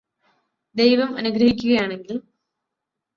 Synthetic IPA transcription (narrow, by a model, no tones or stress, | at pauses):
d̪e̞jʋɐmɐnuɡɾɐɦikʲːuɣɐjaːɳe̞ŋɡil